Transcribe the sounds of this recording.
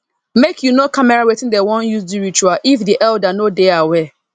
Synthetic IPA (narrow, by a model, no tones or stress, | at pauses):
mekʰjunokʰamɛɹawetɪ̃ndɛwɔ̃njusdiɹit͡ʃuaʔifdiʔɛldanodeawɛ